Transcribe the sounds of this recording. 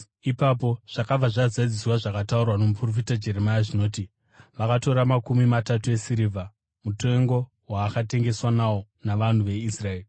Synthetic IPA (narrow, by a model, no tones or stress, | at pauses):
ipapo̞ʐ̥akab͡vaʐazaid͡ziswaʐakataurwano̞mupro̞fitad͡ʒe̞ɾemajaʐino̞ːti | ʋakato̞ɾamakumimatatue̞siɾiːvʱa | mute̞ŋɡo̞ | waːkate̞ŋɡe̞swanawo̞ | naʋan̤uʋe̞israeːli